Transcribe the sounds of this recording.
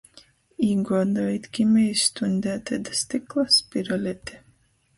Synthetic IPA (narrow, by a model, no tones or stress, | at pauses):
iːɡɔːd̪ajit̪ʲkʲimɛjst̪unʲd̪ʲæt̪ɛd̪ast̪iklˠaspiɾalʲɛt̪ʲi